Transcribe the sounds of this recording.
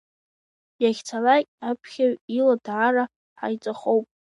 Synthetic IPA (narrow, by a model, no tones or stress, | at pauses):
jaχʲt͡sʰalakʲʼapʰχʲaɥiladʕaːra | ħa̰jt͡sʼaχowpʼ